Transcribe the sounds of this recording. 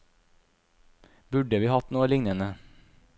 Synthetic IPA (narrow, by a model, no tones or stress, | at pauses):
bʉɖəʋiːhɑt̪nuːəlɪŋnənə